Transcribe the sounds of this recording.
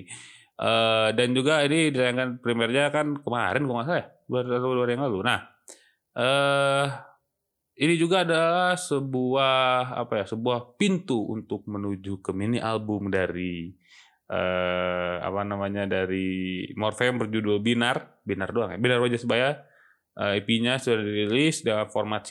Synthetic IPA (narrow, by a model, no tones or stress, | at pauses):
ʔədand͡ʒuɡainidit̪ajaŋkanpɾimiɛrɲakankəmaɾɪnkumas̬aja | duarat̪aluarjaŋlalunah | ʔə | inid͡ʒuɡaːdalahsəbuaɦa̰pajasəbuahpint̪uṵnt̪ʊk̚mənud͡ʒukəminiʔalbʊmdaɾi | ʔə | a̰panamaɲadaɾimɔrfembərd͡ʒudobinar | binardoaŋja̰binarwad͡ʒasəbaja | ʔəipiɲasudaɾdiɾilisdalaformat̪